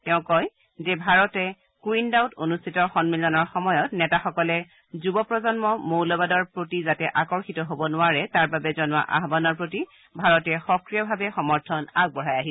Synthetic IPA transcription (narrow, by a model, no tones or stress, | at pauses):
tɛʊ̃kɔj | zebʱaɹɔtɛ | kwindawtonustʰitɔxɔnmilɔnɔɹxɔmɔjɔtnɛtaxɔkɔlɛ | zubɔpɹɔzɔnmɔmowlɔbadɔɹpɹotizatɛʔakɔɹxitɔɦobɔnʊaɹɛtaɹbabɛzɔnʊa̰ʔa̰ɦbanɔɹpɹoti | bʱaɹɔtɛxɔkɹijɔbʱabɛxɔmɔɹtʰɔnaɡ̚bɔɹajaɦi